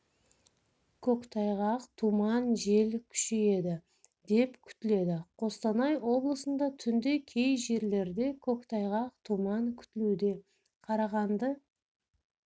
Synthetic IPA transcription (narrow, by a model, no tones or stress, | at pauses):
kʲʰɵkt̪ʰɑjʁɑqt̪ʰumɑnʒe̞lkʲʰʏ̥ʃe̞je̞d̪ɪ | d̪e̞pkʲʰʏ̥t̪ɪle̞d̪ɪqʰo̞st̪ɑnɑjwo̞blˠəsənd̪ɑt̪ʰʏnd̪e̞kʲʰe̞jʒe̞ɾle̞ɾd̪e̞kʲʰɵkt̪ʰɑjʁɑq̚t̪ʰumɑŋkʲʰʏ̥t̪ɪlud̪e̞ | qʰɑɾɑʁɑnd̪ə